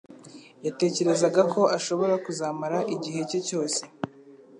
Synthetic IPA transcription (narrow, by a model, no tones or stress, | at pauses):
jate̞ːce̞ɾe̞zaɡakʰo̞ʔaʃo̞βo̞ɾakuzaːmaɾaʔiɟihe̞co̞co̞ːse̞̥